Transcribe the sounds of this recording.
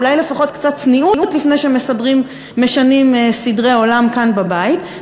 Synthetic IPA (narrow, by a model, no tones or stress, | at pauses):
lajle̞faχo̞tkt͡satt͡sniʔuʔut̪lifne̞jʃeme̞sadʁimː | eʃanimsidʁeo̞lamkanbabait